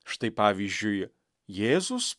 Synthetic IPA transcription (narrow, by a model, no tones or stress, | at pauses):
ʃt̪ɐɪpaːʋʲiʒʲd͡ʒʲʊj | jeːzʊs